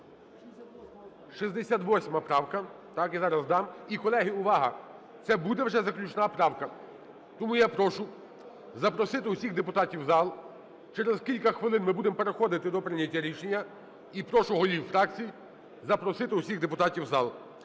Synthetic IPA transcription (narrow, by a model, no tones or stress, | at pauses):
ʃizd̪esʲat̪ʋɔsʲmɐpɾɑwkɐ | t̪ɑkizɑɾɐzd̪ɑmikɔlˠɛɦɪʊʋɑɦɐ̰ | t̪sɛbud̪ɛwʒɛzɐklʲut͡ʃnɑpɾɑwkɐ | t̪ɔmujapɾɔʃʊ | zɐpɾɔsɪt̪ɪʊsʲiɣd̪epʊt̪ɑtʲiwzɑlˠ | t͡ʃɛɾezkʲilʲkɐxʋɪlˠɪnmɪbud̪emɔpeɾexɔd̪ɪt̪ɪd̪ɔpɾɪnʲːɐtʲːaɾʲiʃenʲːɐ | ipɾɔʃʊɦɔlʲiwfɾɑk̚t͡sʲiji | zɐpɾɔsɪt̪ɪusʲiɣd̪epʊt̪ɑtʲiwzɑlˠ